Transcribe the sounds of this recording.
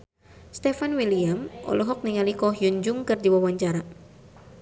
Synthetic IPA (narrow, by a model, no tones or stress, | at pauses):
st̪ɛfanwiliamʔɔ̰luɦɔk̚niŋalikɔhjuɲd͡ʒʊŋkɨrdiwawaɲt͡ʃaɾa